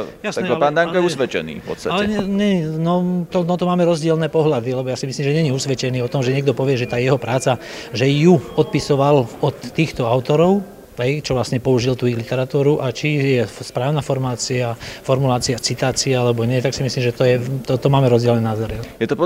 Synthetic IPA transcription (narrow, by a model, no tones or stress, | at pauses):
jasnɛapaːnd̪aŋkɔɛusʋɛt͡ʃɛ̰nḭːfpɔ̰tst̪aalɛɲɛɲɛɲinɔt̪ɔnɔt̪ɔmaːmɛɾɔzɟɪɛlnɛːpɔɦlad̪ilɛbɔjaːsimisliːmʒɛɲɛɲiusʋɛt͡ʃɛniːɔt̪ɔmʒɛɲɪɛɡ̚d̪ɔpɔʋɪɛʒɛt̪aːjɛɦɔpɾaːt͡saʒɛjuɔt̪̚pisɔʋalɔt̪ːiːxt̪ɔaʊt̪ɔɾɔʊ | ɦɛjt͡ʃɔʋlasɲɛpɔuʒilt̪uiɣlit̪ɛɾat̪uːɾuʔat͡ʃijɛspɾaːʊnafɔɾmaːt͡siafɔɾmulaːt͡siat͡sit̪aːt͡siaalɛbɔɲɪɛt̪aksimisliːmʒɛt̪ɔjɛt̪ɔt̪ɔmaːmɛɾɔzɟɪɛlnɛːnazɔɾjɛt̪ɔp